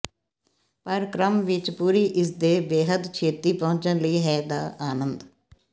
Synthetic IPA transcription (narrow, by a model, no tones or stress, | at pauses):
pəɾkɾəmʋɪt͡ʃpuːɾiːʔɪs̬d̪eːbeːɦəd̪t͡ʃʰeːt̪iːpɔʊ̃ɲt͡ʃənləiːɦɛːd̪aːʔaːnənd̪